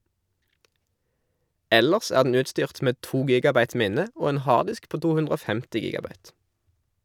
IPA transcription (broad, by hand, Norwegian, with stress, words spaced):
ˈɛləʁs ˈæːʁ dn̩ ˈʉːtˌstyːʁt ˈmeː ˈtuː ˈɡiːɡɑˌbɑɪt ˈmɪnə ˈoː ˈeːn ˈhɑːʁdɪsk ˈpoː ˈtuː ˈhʉndʁ ˈoː ˈfɛmtɪ ˈɡiːɡɑˌbɑɪt